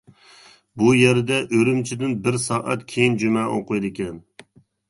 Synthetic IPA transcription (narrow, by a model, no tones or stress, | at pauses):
bujeɾd̪ɛʔøɾymt͡ʃʰɪd̪ɪnbɪɾsɑːʔɑt̪kʲʰejind͡ʒymɛʔoqʊjd̪ɪkʲɛn